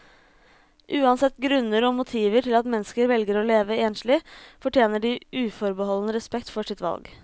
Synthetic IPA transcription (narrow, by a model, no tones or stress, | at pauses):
ʔʉːɑnsɛt̪ːɡɾʉnːəɾɔmʊt̪ʰiːʋəʈɪlɑt̪mɛnːskəɾʋɛlɡəɾɔːleːʋəeːnʂlɪfɔʈjeːnəɖiʔʉːfɔɾbəɦɔlənəɾɛspɛkt̪fɔʂɪt̪ʋɑ̰lɡ